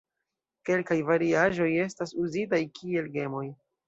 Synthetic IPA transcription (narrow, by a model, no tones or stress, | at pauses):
ke̞lkajvaɾiaʒo̞je̞stasuzitajkʰie̞lɡe̞mo̞j